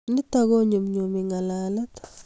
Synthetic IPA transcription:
ni˦taɣo˦ɲu˨mɲu˨mi˨ŋa˨la˨la˦t

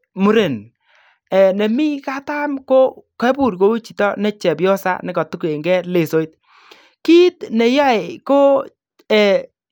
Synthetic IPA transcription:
mu˨ɾe˨n | ɛ˨ne˨mi˦ka˦ta˦mko˦kɛ˦pu˦˨ɾko˦wu˦t͡ʃi˨tɔ˦nɛ˦t͡ʃɛ˨pjɔ˦sa̰˦nɪ˦kɔ˨tu˦ke˨ŋɡɛ˦le˨so˨˦i˦t̚ | ki˦tne˨ja˦ɪ˨ko˦ | ɛ˨

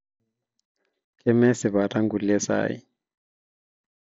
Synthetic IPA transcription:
kʼɛ˦mɛ˦sɪ˨βa˨tʰa˦ŋɡu˨lɛ˦sa̰ː˦jḭ˦

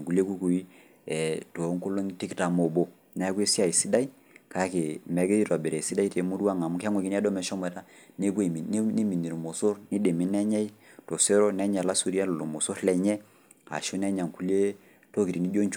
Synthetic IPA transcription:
ŋku˨le˦ku˦ku˨i˦ | ɛ˨to˨˦ŋko˦lo˦n˦ti˦kta˨mo˨bo˦ | nɛ˦ke˦si˦a˨i˨si˦da˦i˦ | ka˦ke˨mɛ˨˦ɡe˦i˦ta˨be˨ɾɛ˨si˦da˦i˦te˨mu˦ɾu˦a˦ŋa˨mu˦ka˦ŋwɛ˨ki˦n˦ɛ˦dɔ˦mɛ˨ʃɔ˦mɛ˨ta˦ne˦ke˨˦ni˦mi˨ni˨ɾmo˨so˦ɾni˦de˨mi˨˦nɛ˦ɲɛ˦i˦to˨sɛ˦ɾo˦nɛ˦ɲa˨la˦su˦ɾi˦a˦lo˨lo˨mo˨so˦ɾlɛ˨ɲɛ˦ | a̰˨ʃu˦nɛ˦ɲa˨ŋku˦le˦ | to˦ki˨ɾi˨ni˦d͡ʒo˦nt͡ʃ

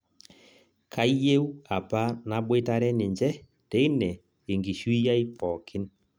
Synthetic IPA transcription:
kʰa˦i˦je˦u˦a˨pa˦na˨bwe˦ta˦ɾɛ˦nɪ˨ɲd͡ʒɛ˦ | tɛ˨˦nɛ˨ | e˨ŋɡi˨ʃu˦i˦ja˦i˦pɔ˨kʰɪ˦n

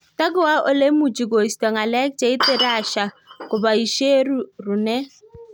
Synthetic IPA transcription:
ta˦ɡʊ˦wa˦ʔo˦le˦mu˨d͡ʒi˨ɡo˨i˨stɔ˨ŋa˨lɛ˦k̚t͡ʃɛ˨˦ɪ˦tɪ˦ɾa˦˨ʃa˨ | kʊ˨ba˨i˨ʃe˦ɾu˨ɾu˨nɛ˦

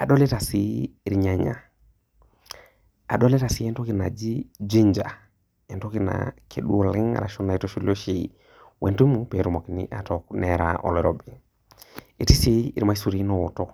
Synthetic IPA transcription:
a˨ɗo˦le˦ta˨siː˨ɾɲa˨ɲa̰˨ | a̰˨ɗo˦le˦ta˨si˨˦ɛ˦nto˦kina˨d͡ʒi˦d͡ʒi˦ɲd͡ʒa̰˨ | e˨nto˦ki˦na̰kʰe˨ɗu˦o˨lɪ˦ŋ̰ɾa̰˨ʃɔ˦na˨i˨to˦ʃu˦lo˦ʃi˦ | wʔe˨ntu˦mupe˨ɾu˨mo˨kinḭ˦ʔa˨tɔknɛɾa̰ʔɔ̰˨leɾobi | e˨ti˦si˦i˨ɾma˦isu˨ɾi˦nɔ˨wɔ˨tɔ˨

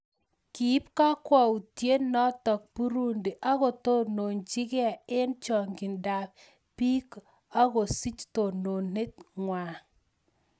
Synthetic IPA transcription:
ki˨˦p̚ka˦kwɔ˨u˨tje˦nɔ˦tɔ˨k̚pu˦ɾu˦ndi˨ʔa˦ko˨to˦no˨ɲt͡ʃi˦ka˨e˦nt͡ʃɔ˨ŋɡi˨nda˨p | pi˦k | a˦ko˨si˦t͡ʃto˨no˨ne˦t̚ŋwa˨

